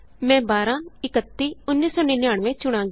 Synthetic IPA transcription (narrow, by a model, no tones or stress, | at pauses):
mɛ̃ːbaːɾãːɪkət̪ːiːʊnːiːsɔːneːnɪjaːɳ̃ʋẽːt͡ʃʊɽ̃ãːŋɡ